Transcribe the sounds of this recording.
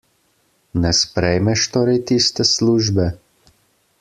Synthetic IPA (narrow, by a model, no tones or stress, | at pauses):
nɛspɾɛjmɛʃt̪oːɾɛjt̪ist̪ɛsluːʒbɛ